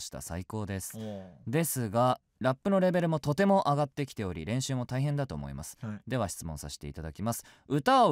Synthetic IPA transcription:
ɕi̥t̪a̰sa̰iko̞ːd̪e̞sɨ̥d̪e̞sɨɡa | ɾapːɯ̟no̞ɾe̞be̞ɾɯ̟mo̞t̪o̞t̪e̞mo̞ʔaɡat̪ːe̞kʲi̥t̪e̞o̞ɾʲḭɾẽ̞ɰ̃ɕɨːmo̞t̪aiɦend̪at̪o̞ːmo̞̰ḭma̰sɨ̥d̪e̞βaɕi̥t͡sɨmõ̞saɕe̥t̪e̞it̪ad̪akʲimasɨ̥ | ɯ̟t̪ao

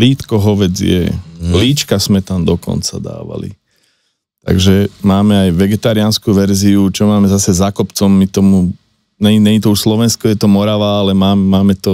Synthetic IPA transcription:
liːt̪kɔɦɔʋɛd͡zjɛ̰liːt͡ʃkasmɛt̪amd̪ɔkɔ̰nt͡sa̰d̪a̰ːʋa̰lḭ | t̪a̰ɡʒɛmaːmɛajʋɛɡɛt̪aɾianskuʋɛɾziut͡ʃɔmaːmɛzasɛzakɔpt͡sɔmːit̪ɔmu | ɲɛnɛɲit̪ɔuʃslɔʋɛnskɔjɛt̪ɔmɔɾaʋaːalɛmaːmmaːmɛt̪ɔ

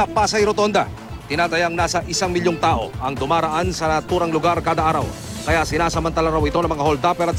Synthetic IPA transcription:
ɐpaːsɐjɾot̪o̞nd̪ɐ | t̪ɪnaːt̪ɐjaŋnaːsɐʔɪsaŋmɪljoŋt̪aːʔo̞̰ʔɐŋd̪ʊmaːɾɐʔansɐnɐt̪uːɾɐŋlʊɡaɾkaːd̪ɐʔaːɾɐw | kɐjasɪnaːsɐmɐnt̪ɐlaɾawɪt̪o̞nɐmɐŋahold̪apɛɾɐt̪̚

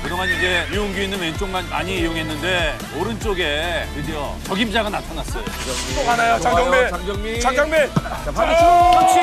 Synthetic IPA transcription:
kɯdoŋaniɡe̞jioŋɡjuinːɯnwent͡ɕ͈oŋmanma̰ɲiejoŋɦe̞nːɯnde̞ | oɾɯnt͡ɕ͈oɡe̞ɯdijʌ | t͡ɕʌɡimd͡ʑaɡanatʰanas͈ʌjo | t͈omanajot͡ɕad͡ʑaŋmet͡ɕad͡ʑʌŋme

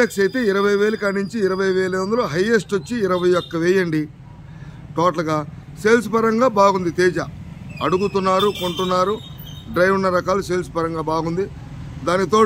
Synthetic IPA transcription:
ɐksɐjt̪e̞ːiɾɐʋɐjʋeːlɐkɐɳɖiɲt͡ʃiːɾɐʋɐjʋeːlɐʋond̪uloːɦɐjesʈʋot͡ʃːiːɾɐʋɐjjɔkːɐʋeːjɐɳɖi | ʈɔːʈlɐɡaːseːls̬upɐɾɐŋɡaːbaːɡund̪it̪eːd͡ʒɐɐɽuɡut̪unːaːɾuko̞ɳʈunːaːɾuɖɾɐjʋunːɐɾɐkaːluseːlsu̥pɐɾɐŋɡaːbaːɡund̪i | d̪aːnit̪o̞ː

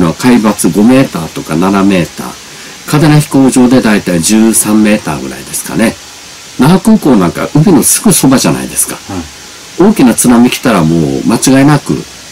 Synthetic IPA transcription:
noβakaibat͡sɨɡo̞me̞ːt̪a̰ːt̪o̞kananame̞ːt̪a̰ː | kad̪e̞naçi̥ko̞ːʑo̞ːd̪e̞d̪ait̪aiʑɨːsãmːe̞ːt̪a̰ːɡɯ̟ɾa̰id̪e̞sɨ̥ka̰ne̞ | namakɯ̟̃ŋko̞ːnãŋka̰ʔɯ̟bʲinosɨ̥ɡɯso̞baʑana̰ḭd̪e̞sɨ̥kḁ | o̞ːkʲinat͡sɨnamʲikʲi̥t̪aɾamo̞ːmat͡ɕiɡaenakɯ̟̰

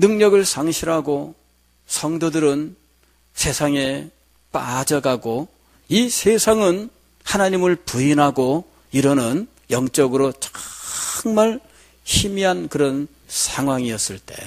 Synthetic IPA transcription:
nɯŋɲʌɡɯɭsʰaŋɕʰiɾɦaɡo | sʰʌŋdodɯɾɯn | sʰe̞sʰaŋe̞ | p͈a̰d͡ʑʌɡaɡo | isʰe̞sʰaŋɯn | hanaɲimɯɭpuinɦaɡo | iɾʌnɯn | jʌŋt͡ɕ͈ʌɡɯɾot͡ɕḁ | ŋmaɭ | çimiɦankɯɾʌn | sʰaŋɦwaŋiʌs͈ɯɭt͈e̞̰

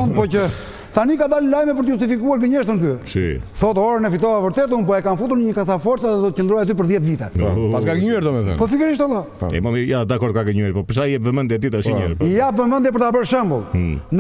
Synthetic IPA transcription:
und̪pɔcə | t̪anikad̪allajmɛp̬əɾt̪əust̪ifikuaɾɡəɲɛʃt̪ənkysḭθɔt̪ɔɾənɛfit̪ɔavəɾt̪ɛt̪̬unp̬ɔɛkanfut̪uɾnəɲəkas̬afɔɾt͡saðɛd̪ɔt̪ə̥cənd̪ɾɔjat̪yp̬əɾðjɛt̪vit̪ɛ̰pasɡaɡəɲuɛɾd̪ɔmɛθɛ̰pɔfikɛɾiʃt̪ɛla̰ | ɛ̰mɔmijad̪akɔɾd̪kaɡəɲuɛɾpɔpəɾsaiɛpvəmə̃njɛt̪it̪aʃiɲɛ̰ɾpijapvəmə̃nd̪jɛp̬əɾt̪abəɾʃɛmbulˠn

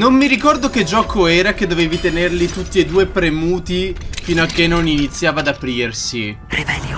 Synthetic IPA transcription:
nomːiɾikɔrd̪ok̟ed͡ʒːɔːkʰoɛːɾak̟ed̪ːoveːvit̪enerlit̪ut̪ːied̪uːepɾemuːt̪ifiːnoakːenoninit̪sːjaːvad̪apɾiːrsi | ɾiɛ

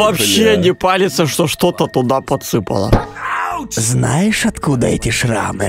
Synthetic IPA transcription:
vɐpɕːenʲɪpalʲɪt̪səʂt̪oʂt̪ot̪ət̪ʊd̪apɐt̪sɨpɐ̰lˠə̰ | znajɪʂɐt̪kud̪ɐɛtʲɪʂra̰mɨ

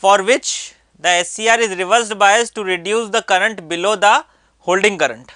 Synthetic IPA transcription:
fɔːɾʋɪt͡ʃ | d̪əesiːaːɾɪzɾɪʋəɾs̬ʈbaɪəsʈuɾɪɖjuːsd̪əkɐɾə̃ɳʈbɪloːd̪ɐ | hoːlɖɪ̃ŋkɐɾə̰̃ɳʈ

